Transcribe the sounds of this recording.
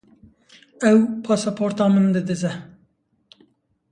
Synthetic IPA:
ɛwpʰɑːsɑpʰoːɾt̪ɑːmɨnd̪ɨd̪ɨzɛ

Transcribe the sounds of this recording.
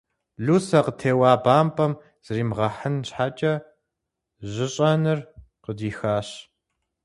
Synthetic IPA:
ɮuːsɐqətʰeːwaːbaːmpʼɐm | z̥ɨriːmʁɐħənɕħaːt͡ʃʼɐ | ʑɪɕʼɐnɨr | qədiːxaːɕ

